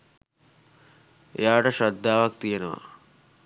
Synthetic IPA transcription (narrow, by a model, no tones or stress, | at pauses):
ḛjaːʈəʂad̪ːaːʋak̚t̪ijenəʋa̰